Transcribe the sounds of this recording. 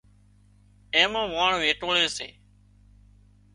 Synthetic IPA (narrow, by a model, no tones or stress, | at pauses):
ẽːmãːʋaːɳʋeːʈoːleːsḛː